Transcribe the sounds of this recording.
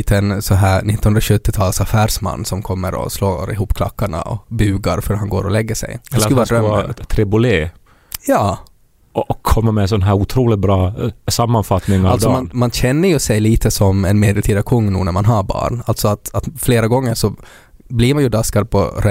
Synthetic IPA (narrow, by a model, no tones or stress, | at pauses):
t̪ʰənsɔnɦæːɳɪt̪ːnɵnd̪ɾaɕɵt̪ːɪt̪ʰɑːlsafæːɾʂma̰nːsɔmkʰɔmːəɾɔ̰sloːɾɪ̰ɦuːpkʰla̰kːaɳa̰ʔɔ̰bʉːɡaɾfœɾhanɡoːɾɔlɛɡːəʂɛ̰j̪kːʉvɑːɾœt̪ʰɾɛbʊleː | jɑː | ɔɔkʰːɔmːamɛs̬ɔnɦæːɾʊt̪ʰɾuːlɪt̪̚bɾɑːsamːanfat̪nɪŋalsɔmanmanɕɛnːəɾjɵsɛjliːt̪ʰəsɔmɛnmeːd̪ɛlt̪ʰiːd̪akʰɵŋːnṵːnæɾmanɦabɑ̰ːɳalt̪sɔat̪at̪fleːɾaɡɔŋːəɾʂɔ | bliɾmanjɵd̪askad̪̚pʰɔɾʔɛ